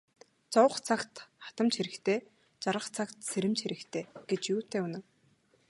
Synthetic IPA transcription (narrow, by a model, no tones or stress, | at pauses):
t͡sɔwχt͡sʰakt̪χḁt̪ə̆mt͡ɕxeɾɘ̆kt̪ʰeː | t͡ɕaɾʁə̆qt͡sʰakt̪seɾɘ̆mt͡ɕxeɾɘ̆kt̪ʰeːɡ̥et͡ɕjuːt̪eːunɘ̆w